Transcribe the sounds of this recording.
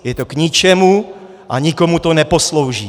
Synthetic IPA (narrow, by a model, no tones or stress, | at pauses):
jɛt̪okɲit͡ʃɛmu | ʔaɲikomut̪onɛposlowʒiː